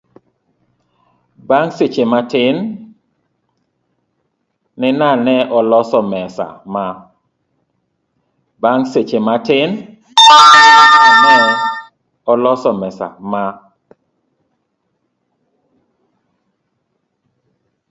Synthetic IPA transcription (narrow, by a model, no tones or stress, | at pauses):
baŋset͡ʃematɪn | ɪnanɛʔɔlɔsɔmɛsa̰ma | baŋset͡ʃematɪn | nɛ | ɔlɔsɔmɛsa̰ma